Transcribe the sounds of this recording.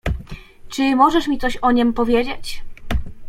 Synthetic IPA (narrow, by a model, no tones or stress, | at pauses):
t͡ʂɘmɔʐɛʂmʲit̪ɔɕɔɲɛmpɔvʲjed͡ʑet͡ɕ